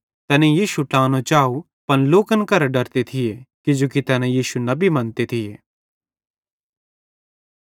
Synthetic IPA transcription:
t̪ɛːnẽjiːʃuʈãːnõt͡ʃaːu | pɐnloːkənkɐɾɖɐɾt̪et̪ʰɪjekɪd͡ʒoːkit̪ɛːnɛ̃jiːʃunɐbʱimɐ̃nt̪et̪ʰɪjeː

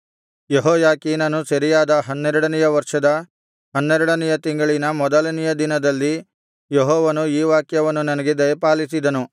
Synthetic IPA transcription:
jeɦɔːjaːkiːnɐnusɐɾijaːd̪ɐɦɐnːɛɾɐɽɐnɛjɐʋɐɾʂɐd̪ɐ | ɦɐnːɛɾɐɽɐnɛjɐt̪iŋɡɐɭinɐmɔd̪ɐlɐnɛjɐd̪inɐd̪ɐlːi | jeɦɔːʋɐnuiːʋaːkjɐʋɐnːunɐnɐɡed̪ɐjɐpaːlisid̪ɐnu

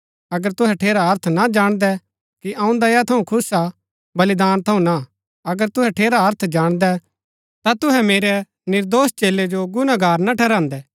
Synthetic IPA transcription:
ɐɡəɾt̪ʊɦɛʈʰeːɾaɦɐɾt̪ʰnad͡ʒaːɽ̃d̪ɛ | kiʔɐ̃ũd̪ɐjat̪ʰɐũkʰʊsa | bɐlid̪aːnt̪ʰɐũna | ɐɡəɾt̪ʊɦɛʈʰeːɾaɦɐɾt̪ʰd͡ʒaːɽ̃d̪ɛ | t̪at̪ʊɦɛmeːɾɛ | nɪɾd̪oːst͡ʃeːlːed͡ʒoɡʊnaɡʱaːɾnaʈʰɛːɾãːnd̪ɛ

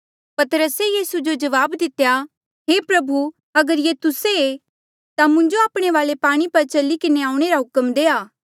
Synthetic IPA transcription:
pɐt̪əɾəsejiːsud͡ʒod͡ʒɐʋaːbd̪ɪt̪eja | ɦeːpɾɐbʱu | ɐɡəɾjet̪ʊsee | t̪amʊ̃ɲd͡ʒoaːpɽ̃eʋaːlepaːɽ̃ipɐɾt͡ʃɐlikɪneaːʊ̃ɽ̃eɾaɦʊkəmd̪eːaː

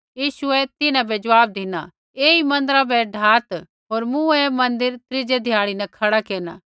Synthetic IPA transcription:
jiːʃuɛt̪ɪnãbɛd͡ʒɐʋaːb̚d̪ina | eːimɐ̃nd̪əɾabɛɖʱaːt̪ | ɦoːɾmũɛmɐ̃nd̪ɪɾt̪ɾɪd͡ʒed̪ʱɪjaːɽinɛkʰɐɽakeːna̰ː

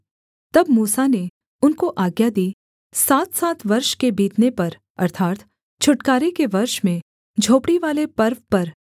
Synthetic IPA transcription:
t̪ɐbmuːsane | ʊnkoʔaːɡjad̪iː | saːt̪saːt̪ʋɐɾʃkebiːt̪nepɐɾ | ɐ̰ɾt̪ʰaːt̪ | t͡ʃʰʊʈkaːɾekeʋɐɾʃmẽ | d͡ʒʱoːpɽiʋaːlepɐɾʋpɐɾ

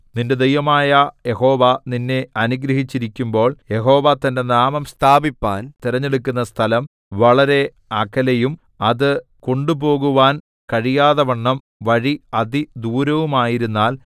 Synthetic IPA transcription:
ninde̞d̪ejʋɐmaːjɐje̞ɦo̞ːʋɐninːe̞ɐnuɡɾɐɦit͡ɕːiɾikʲːumbo̞ːɭje̞ɦo̞ːʋɐt̪ːɐnde̞naːmɐmst̪ʰaːbipːa̰ːnt̪iɾɐɲːe̞ɽukʲːunːɐst̪ʰɐlɐm | ʋɐɭɐɾe̞ | ɐkːɐlɐjum | ɐðɨko̞ɳɖubo̞ːɣuʋaːn | kɐɻijaːðɐʋɐɳːɐm | ʋɐɻiɐðid̪uːɾɐʋumaːjiɾunːaːl

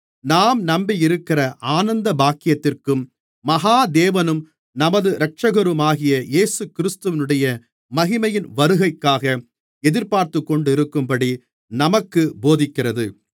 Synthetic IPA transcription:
naːmnɐmbiɪɾɯkːɪrɐʔaːnɐnd̪ɐbaːkːɪjɐt̪ːɪrkɯmː | ɐɣaːd̪eːʋɐnɯm | nɐmɐðɯɾɐk̚t͡ʃɐɣɐɾɯmaːɣɪjɐjeːsɯkɪɾɪst̪ɯʋɪnɯɽɐjɐ | mɐɣɪmɐjɪnʋɐɾɯɣɐɪkːaːɣɐ | ɛðɪɾpaːɾt̪ɯkːɔɳɖɪɾɯkːɯmpɐɽi | nɐmɐkːɯboːðɪkːɪrɐðɯ

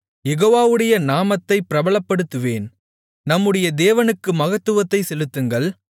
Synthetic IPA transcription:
jɛɣoːʋaːʋɯɽɐjɐnaːmɐt̪ːɐɪpːɪɾɐbɐɭɐpːɐɽɯt̪ːɯʋeːn | nɐmːɯɽɐjɐd̪eːʋɐnɯkːɯmɐɣɐt̪ːɯʋɐt̪ːɐɪsɛlɯt̪ːɯŋɡɐɭ

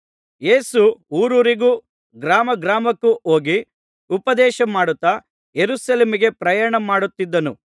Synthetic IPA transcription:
jeːsuuːɾuːɾiɡuː | ɡɾaːmɐɡɾaːmɐkːuʔoːɡi | upɐd̪ɛːʃɐmaːɽut̪ːɐ | jeɾusɐleːmiɡe̞pɾɐjaːɳɐmaːɽut̪ːid̪ːɐnu

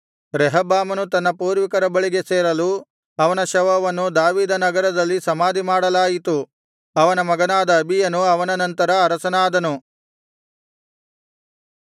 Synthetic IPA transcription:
ɾɛɦɐbaːmɐnut̪ɐnːɐpuːɾʋikɐɾɐbɐɭiɡe̞seːɾɐlu | ɐʋɐnɐʃɐʋɐʋɐnːud̪aːʋiːd̪ɐnɐɡɐɾɐd̪ɐlːisɐmaːd̪imaːɽɐlaːjit̪u | ɐʋɐnɐmɐɡɐnaːd̪ɐːbʱijɐnuɐʋɐnɐnɐnt̪ɐɾɐːɾɐsɐnaːd̪ɐnu

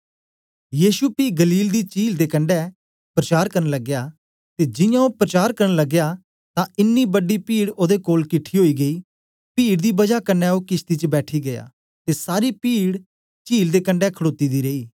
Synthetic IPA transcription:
jiːʃupiːɡəliːld̪iːt͡ʃiːld̪eːkə̃ɳɖɛː | pɾət͡ʃaːɾkəɾnləɡːjaː | t̪eːd͡ʒɪjãːoːpɾət͡ʃaːɾkəɾənləɡjaː | t̪ãːɪnːiːbəɖːiːpiːɽoːd̪ekoːlkɪʈʰːiːɦoːiːɡəiː | piːɽd̪iːbɐd͡ʒaːkənːɛːoːkɪst̪iːt͡ʃəbɛːʈʰiːɡəja̰ː | t̪eːsaːɾiːpiːɽ | t͡ʃiːld̪eːkə̃ɳɖɛːkʰəɽoːt̪iːd̪iːɾeːiː

